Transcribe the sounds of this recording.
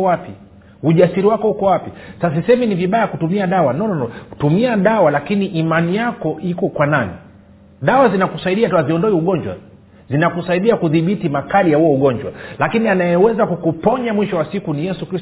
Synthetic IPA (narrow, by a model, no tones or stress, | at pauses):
wapi | uʄasiɾiwakɔhukɔwapisasasisɛminiviɓajakutumiaɗawanɔnnɔ̥tumiaɗawalakiniʔːmanijakɔʔikɔkwananḭ | ɗawazinakusaiɗiatwaziɔndɔɛuɠɔɲd͡ʒwa̰ | zinakusaiɗiakuðiɓitimakalijahuɔuɠɔɲd͡ʒwa̰lakinianajɛwɛzakukupɔɲamwiʃɔwasikunijɛsukɾis